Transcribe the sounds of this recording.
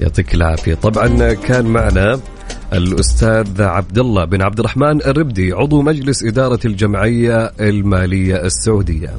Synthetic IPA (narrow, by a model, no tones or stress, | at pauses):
jɑ̰ʕt̪ˤiːkɪlʕa̰ːfɪjat̪ˤɑbʕɑnkʰaːnmaʕna | ʔɪlʔʊst̪aːðʕab̚d̪alːɑbɪnʕab̚d̪ɪrˤːɑħmaːnɪrːɪb̚d̪iʕʊd̪ˤumad͡ʒlɪsʔɪd̪ɑːɾˤɑld͡ʒamʕɪjːaɪlmaːlɪjːaɪsːaʕuːd̪ɪjːa̰